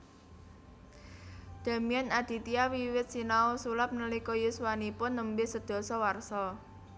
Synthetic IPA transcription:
d̪̥a̤mijanad̪̥i̤t̪iawiwɪt̪̚sinaosulap̚nəlikɔjuswanipʊnːəmbɪsəd̪̥ɔ̤sɔwarsɔ

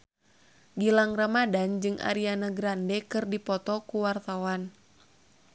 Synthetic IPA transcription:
ɡilaŋramadand͡ʒɨŋʔa̰ɾianaɡɾandɛkɨrdipɔt̪ɔkuwart̪awan

